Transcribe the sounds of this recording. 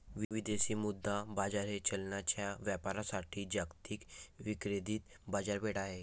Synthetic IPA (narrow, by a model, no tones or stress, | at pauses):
ʋʋid̪eɕiːmud̪ʱːabad͡zaɾet͡ɕəlɳjat͡ɕjaʋjapaɾasaʈʰiːd͡ʑakt̪iːkʋikɾed̪iːt̪ | bad͡zaɾbeɽaɦe